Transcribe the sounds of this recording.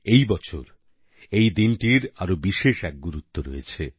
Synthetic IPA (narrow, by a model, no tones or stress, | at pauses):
ejbɔt͡ɕʰo̰ɾ | ejd̪inʈiɾaɾobiʃeʃɛk̚ɡuɾut̪ːoɾːɔ̰jet͡ɕʰe